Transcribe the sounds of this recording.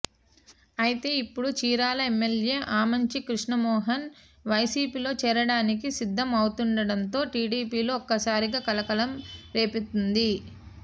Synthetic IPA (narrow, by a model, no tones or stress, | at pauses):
ɐjit̪e̞ːipːuɽut͡ʃiːɾaːlɐemːelje̞ːʔaːmɐɲt͡ʃikɾuʂɳɐmɔːɦɐn | ʋɐjsiːpiːlo̞ːt͡ʃɛːɾɐɽaːnik̬isid̪ʱːɐmɐwut̪uɳɖɐɽɐnt̪o̞ːʈiːɖiːpiːlo̞ːɔkːɐsaːɾiɡaːkɐlɐkɐlɐmɾe̞ːpit̪und̪i